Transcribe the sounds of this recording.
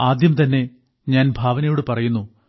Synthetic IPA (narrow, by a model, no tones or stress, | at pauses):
aːd̪jɐmt̪ɐnːe̞ | ɲaːnbʱaːʋɐnɐjoːɽepɐrɐjunːu